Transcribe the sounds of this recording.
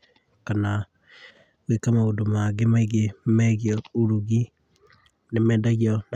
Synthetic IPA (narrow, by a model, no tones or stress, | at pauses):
kana | ɣekamaodomaɡemaiɣemaɣjɔuɾuɣi | nemɛdaɣjɔn